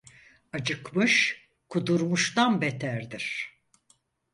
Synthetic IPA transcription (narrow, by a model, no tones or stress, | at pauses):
ad͡ʒɯkmɯʃ | kʰud̪uɾmuʃt̪anbet̪ʰæɾd̪iɾ̥